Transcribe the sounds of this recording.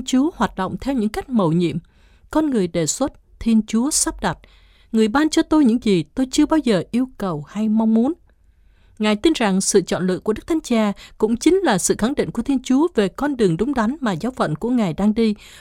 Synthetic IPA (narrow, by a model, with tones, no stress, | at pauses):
t͡ɕu˨˦əhwaː˨˩t̚ɗo̰˧˨wŋ͡mt̪ʰɛ˧wɲɨ̰˧˥ŋka˦˥jk̟̚mə˨˩wɲḭ˧˨əm | kɔ˧nŋɨ˨˩əjɗe˨˩swə˦˥t̚t̪ʰi˧ənt͡ɕu˨˦əsa˦˥p̚ɗa˨˩t̚ | ŋɨ˨˩əjɓaː˧nt͡ɕɔ˧t̪o˧jɲɨ̰˧˥ŋzi˨˩t̪o˧jt͡ɕɨ˧əɓaː˧wzəː˨˩ʔi˧əwkə˨˩wha˧jma˧wŋ͡mmu˨˦ən | ŋaː˨˩jt̪i˧nza˨˩ŋsɨ̰˧˨t͡ɕɔ̰˧˨nlɨ̰˧˨ku˧˩əɗk̚t̪ʰa˨˦jŋt͡ɕaː˧kʊ̰˧˥ŋ͡mt͡ɕï˨˦ŋ̟laː˨˩sɨ̰˧˨xa˧˩ŋɗḭ˧˨ŋ̟ku˧˩ət̪ʰi˧ənt͡ɕu˨˦əve˨˩kɔ˧nɗɨ˨˩əŋɗʊ˨˦ŋ͡mɗa˨˦ŋmaː˨˩zaː˨˦wfə̰˧˨nku˧˩əŋaː˨˩jɗaː˧ŋɗi˧